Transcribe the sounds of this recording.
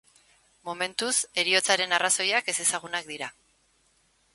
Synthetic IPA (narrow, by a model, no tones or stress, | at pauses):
mo̞me̞nt̪use̞ɾio̞t͡saɾe̞naraso̞jake̞se̞saɣ̞unak̚d̪iɾa